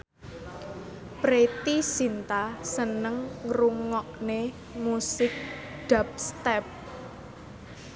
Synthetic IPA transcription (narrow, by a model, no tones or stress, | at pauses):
pɾet̪isint̪asənəŋːɾuŋɔʔne | musɪk̚ɖ̪̥a̤p̚st̪ɛp̚